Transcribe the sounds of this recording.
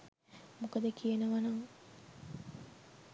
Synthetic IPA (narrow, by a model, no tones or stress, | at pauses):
mukəd̪əkijenəʋɐnɐŋ